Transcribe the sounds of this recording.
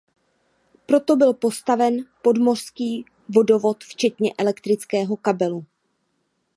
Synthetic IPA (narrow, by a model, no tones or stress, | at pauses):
pɾo̞t̪o̞bɪlpo̞st̪avɛnpo̞dmo̞r̝̥skiː | vo̞do̞vo̞t̪ft͡ʃɛt̪ɲɛʔɛlɛkt̪ɾɪt͡skɛːɦo̞kabɛlu